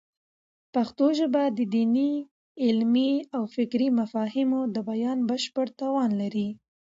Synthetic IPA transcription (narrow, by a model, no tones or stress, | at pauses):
paxt̪oʒəbad̪əd̪ini | ɪlmiawfɪkɾimafɑhɪmod̪əbajɑnbəʃpəɽt̪ɑwɑnlaɾi